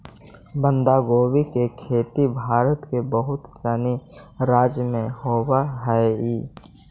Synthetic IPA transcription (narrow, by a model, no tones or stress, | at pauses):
bə̃nd̪aːɡoːwikekʰeːt̪ibʱaːɾət̪kebəɦʊt̪sɛniɾaːd͡ʒjəmẽhoːwaɦɛeiː